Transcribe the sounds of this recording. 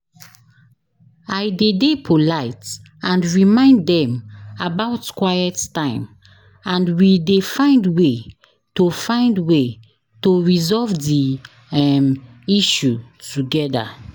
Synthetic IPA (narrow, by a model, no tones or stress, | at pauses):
ajdedepʰolaɪt | ãndɹimãɪ̃nddɛ̃mabaʊtkwajɛttãɪ̃m | ãnwidefãɪ̃ndwe | tofãɪ̃ndwe | toɹizɔlvdi | m | iʃutuɡɛda̰